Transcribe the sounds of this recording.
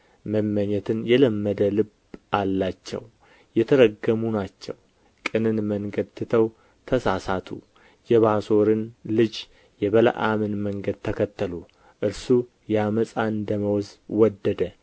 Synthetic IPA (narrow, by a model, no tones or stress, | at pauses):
məmːəɲɛt̪ʰɨnjɛləmːəd̪əlɨb | ʔalːat͡ʃːɛ̰w | jɛt̪ʰəɾəɡəmunat͡ʃːɛ̰w | kʼɨnɨnməŋɡəd̪t̪ʰːɨt̪ʰəw | t̪ʰəsasat̪ʰṵ | jɛβaso̞ɾɨnlɨd͡ʒ | jɛβələ̰ʔamɨnməŋɡəd̪̚t̪ʰəkʰət̪ːəlu | ʔɨɾsu | jaməsʼand̪əməwzwɔd̪ːəd̪ə